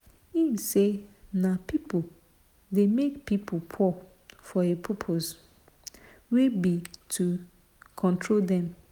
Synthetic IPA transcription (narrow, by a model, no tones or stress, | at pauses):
imsenapʰipo | demekpipʰopʰɔ | fɔepʰɔpʰoz | wibitʰu | kʰɔ̃ntʰɹoldɛ̃m